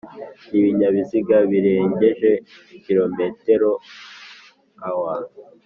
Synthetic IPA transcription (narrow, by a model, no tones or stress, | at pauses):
iβiɲaβiziɡaβiɾe̞ːɲɟe̞ʒe̞ | kiɾo̞me̞te̞ɾo | awaːnu